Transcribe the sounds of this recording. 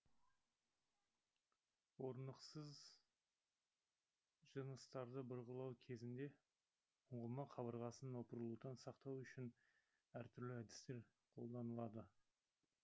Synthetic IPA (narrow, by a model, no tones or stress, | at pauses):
wo̞ɾnəqsəz | ʒənəst̪ɑɾd̪əbʊɾʁəlˠɑwkʲʰe̞zɪnd̪e̞ | ʊɴʁəlˠmɑqʰɑbəɾʁɑsənwo̞pəɾəlˠud̪ɑnsɑqt̪ɑwʏʃɪn | æɾt̪ʰʏɾlɪæd̪ɪ̥st̪e̞ɾ | qʰo̞̰lˠd̪ɑnəlˠɑd̪ə